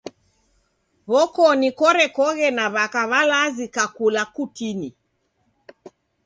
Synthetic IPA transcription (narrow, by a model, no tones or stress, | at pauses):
βɔkɔnikɔɾɛkɔɣɛnaβakaβalazikakulakutini